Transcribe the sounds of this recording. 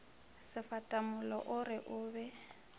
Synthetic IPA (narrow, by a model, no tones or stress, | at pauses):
sɪfatʼamʊlɔ̰ʔʊrɪʔʊːbɛ